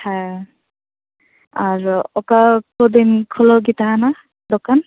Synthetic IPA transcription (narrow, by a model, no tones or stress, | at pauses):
ha | aɹɔkakɔd̪inkʰulɔɡitaɦana | dɔkan